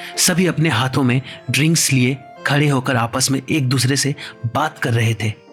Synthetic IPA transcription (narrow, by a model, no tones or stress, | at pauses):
sɐbʱiɐpneɦaːt̪ʰõmẽɖɾɪ̃ŋkslie | kʰɐɽeɦoːkəɾaːpəsmẽʔeːk̚d̪uːsɾesebaːt̪kɐɾːɐɦet̪ʰeː